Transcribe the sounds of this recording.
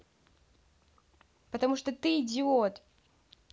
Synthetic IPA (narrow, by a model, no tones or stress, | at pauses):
pət̪ɐmuʂt̪ot̪ɨːdʲɪot̪